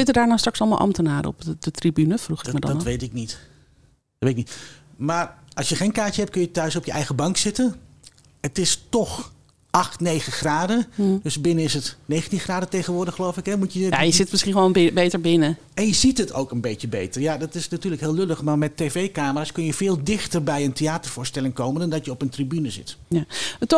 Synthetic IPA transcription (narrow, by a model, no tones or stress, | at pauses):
sɪtədaːɹnowstrɑksɑlˠma̰lˠʔɑ̰mtənaːɾə̰ɔ̰pədətribynəfruxɪkmad̰nʋejtɪk̚nit | tetɪknit | maːrɑsjəχeːnkaːt͡ʃəɦɛp̚t̚kønjətœɥsɔpjəʔɛjɣəbɑŋksɪtən | ətɪstɔx | ʔɑxtnejɣəxraːdədøsbɪnənɪsətneːxəntinxraːdəteːχənʋʊːɹrdəxχlowfɪkɛmutjəjajəzɪtmɪsχinʋonbejtəɹbɪnə | ɛnjəzitətʰo̰wkənbeːjəbejtərjadɑtɪsnatyːləkɦɪːlˠløləxmamɛteːveːkaːmərskønjəvɪːlˠdɪxtərbɛjənteaːtərvʊːɹstɛlˠɪŋkowməndɔndɑtjəɔpəntribynəzɪ̰t | t